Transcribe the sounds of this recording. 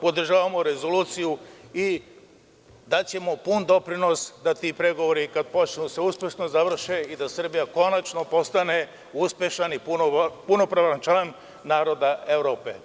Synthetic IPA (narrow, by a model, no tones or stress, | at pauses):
po̞d̪r̩ʒaːʋamo̞ɾe̞zo̞luːt̪sijui | d̪at͡ɕe̞mo̞pund̪o̞pɾino̞sd̪at̪iːpɾe̞ɡo̞ʋoɾikad̪̚pot͡ʃinuseuspʲje̞ʃno̞zaʋr̩ʃeid̪asr̩bijako̞nat͡ʃno̞po̞st̪ane̞ | uspʲje̞ʃanipupuno̞pɾaʋant͡ʃan | naːɾo̞d̪aeʋɾo̞ːpe